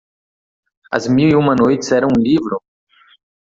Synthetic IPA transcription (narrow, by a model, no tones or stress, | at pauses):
ɐ̰zmiwiũmɐnojtɪsɛɾɐ̃w̃ũlivɾʊ